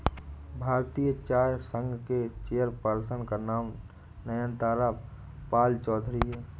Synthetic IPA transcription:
bʱaːɾt̪ijət͡ʃaːjsə̃ŋɡʱket͡ʃejəɾpəɾsənkanaːm | nəjə̃nt̪aːɾa | paːlt͡ʃɔːd̪ʱɾiɦɛː

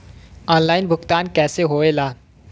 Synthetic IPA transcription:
ɔːnlaːɪnbʱʊkt̪aːnkɛːseɦoːelaː

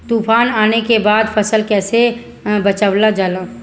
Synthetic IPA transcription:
t̪uːpʰaːnaːnekebaːd̪pʰəsəlkɛːse | bət͡ʃəʋlad͡ʒaːlã

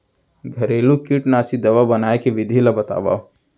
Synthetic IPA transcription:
ɡʱɐɾeːlukiʈnaːsid̪ɐʋabɐnaːekeʋɪd̪ʱilɐbɐt̪a̰ːʋa̰

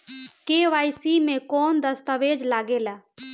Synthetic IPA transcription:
keːʋaːjsimẽkɔːnd̪əst̪əʋeːd͡ʒlaːɡeːlaː

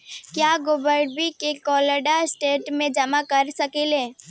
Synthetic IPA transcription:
kjaːɡoːbəɾɖbikekɔːləɖasʈeːʈmẽd͡ʒɐmakɐɾsɐkeleː

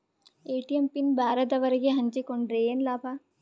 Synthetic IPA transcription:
eːʈijempinbaːɾɐd̪ɐʋɐɾɐɡeɦɐ̃nt͡ʃikoɳɖɾeːnlaːpʰa

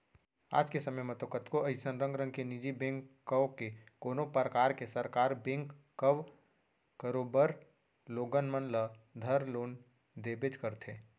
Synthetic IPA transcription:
a̰ːd͡ʒkesɐməjmɐt̪okət̪koʔɐɪsənɾə̃ŋɡɾə̃ŋɡkenid͡ʒibẽːŋkːəʋkekoːnopəɾəkaːɾkesəɾkaːɾbẽːŋk | kəʋ | kəɾoːbəɾ | loːɡənmənləd̪ʱɐɾloːn | d̪eːbed͡ʒkəɾt̪ʰẽː

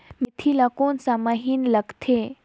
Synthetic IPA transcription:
mit̪ʰilakonsamaɦinləɡt̪ʰe

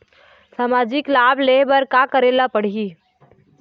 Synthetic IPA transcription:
saːmaːd͡ʒɪklaːblebəɾkakəɾeːlapəɽ̤i

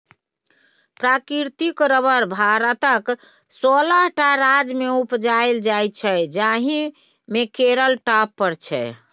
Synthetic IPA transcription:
pɾakiɾt̪ikɾəbəɾbʱaɾət̪ək | sɔləɦʈaɾad͡ʒmeupd͡ʒaeld͡ʒajt͡ʃʰɛd͡ʒaɦi | mekeɾəlʈapːəɾt͡ʃʰɛ̰

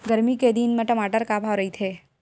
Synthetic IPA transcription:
ɡəɾmiked̪inmə̃ʈəmaʈəɾkabʱaʋɾəit̪ʰe

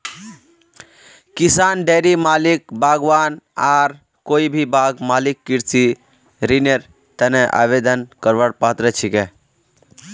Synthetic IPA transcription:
kisaːnɖeːɾimaːlik̚bʱaːɡʋaːnaːɾ | koːibʱibaːɡmaːlikːiɾsi | ɾineɾ | t̪əneʔa̰ːʋeːd̪ənkəɾʋəɽpaːt̪ɾət͡ʃʰike

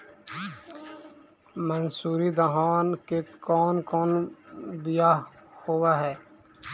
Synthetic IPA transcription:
mənsuːɾid̪əɦaːnkekɔːnkɔːnbɪjahoːwaɦɛː

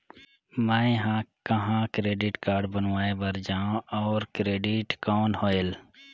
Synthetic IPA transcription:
mə̃ɦãkəɦãkɾeːɖɪʈkaːɾɖbənʋaːebəɾd͡ʒaːõɔːɾkɾeːɖiʈkɔːnhoːel

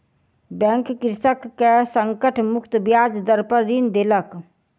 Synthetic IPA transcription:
bɛ̃ŋkːɪɾsəkːesəŋkəʈʰmʊkt̪bijad͡ʒd̪əɾpəɾɾind̪elək

